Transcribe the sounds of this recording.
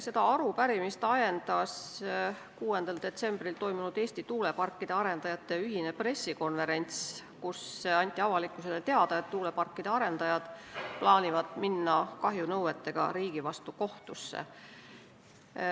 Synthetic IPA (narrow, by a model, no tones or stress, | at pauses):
se̞d̪ɑɑɾupæɾimist̪ɑje̞nd̪̥ɑs | kuːe̞nd̪̥ɑld̪e̞t̪se̞mbrilt̪o̞jmunud̪̥e̞ːst̪it̪uːle̞pɑrkːˑid̪̥eɑɾe̞nd̪̥ɑjɑt̪ːˑe̞yɦine̞pre̞sːiko̞nve̞ɾe̞nʲt̪skuseɑnʲt̪ʲːˑiɑvɑlikːˑuse̞lːet̪e̞ɑd̪̥ɑet̪ːuːle̞pɑrkˑːid̪̥eɑɾe̞nd̪̥ɑjɑd̪̥plɑːnʲivɑd̪̥minːɑkɑɦjunɤwet̪ːe̞ɡ̥ɑ̰ɾiːɡ̥ivɑst̪uko̞ht̪usːḛ